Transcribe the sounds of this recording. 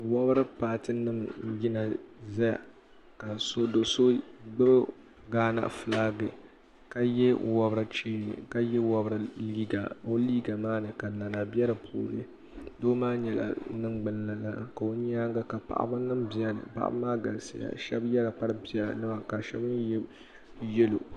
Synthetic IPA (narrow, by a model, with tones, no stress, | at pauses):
wɔ˦bɾɨ˦paː˨tɨ˦nɨ˦m˦ji˦na˨za˦ja̰˨ | ka˨so˦do˨so˦ɡ͡bɨ˦b | ɡaː˦na̰˨ʔfɨ˨laː˦ɡɨ˨ | ka˨jɛ˦wɔ˦bɨ˦ɾɨ˦t͡ʃiː˦nɨ̰˨ka˦jɛ˦wɔ˦bɨ˦ɾɨ˨liː˦ɡa˨o˦liː˦ɡa˨maː˦nɨ˨ka˨na˨na˨bi˦ɛ˦ɾɨ˨pʰo̰ː˨nɨ˦ | doː˦maː˦ɲɛ˨la̰˨˦nɨ˦ŋ͡mɡ͡bɨ˦n˦la˨la˦ka˨o˦ɲ˦aː˦ŋɡa˦ka˨pa̰˨ʔa̰˦ba˦nɨ˦mbi˨ɛ˦nɨ̰˨pa̰˨ʔa̰˦bmaː˦ɡa˨lsa̰˨ja̰˨ʃɛ˦bjɛ˦la˨pa˦ɾɨ˦bi˨˦ɛ˦la̰˨nɨ˦ba˨ka˨ʃɛ˦bɨ˦n˦jɛ˦ | jɛ˦lo̰˨